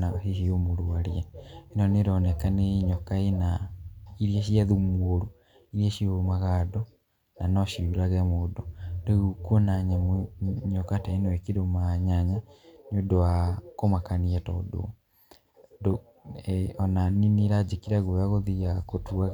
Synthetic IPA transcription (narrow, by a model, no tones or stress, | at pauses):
aihiomoɾuaɾiɛenɔneɾɔnɛkaneiɲɔkaenaiɾiaʃ̬iaðumwoɾu | iɾieʃioɾumaɣadɔ | nanɔʃiuɾaɣɛmodɔdeɣukwonaɲamɲokataenoekiɾomaɲaɲanodowakomakaniɛtɔdo̰ | do | ɔnaniniɾad͡ʒikiɾaɣoaɣoðijakotuaɣ